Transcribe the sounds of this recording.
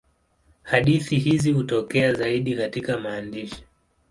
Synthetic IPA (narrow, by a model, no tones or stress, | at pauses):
haɗiθiɦizihutɔkɛazaiɗikatikamaːndiʃi̥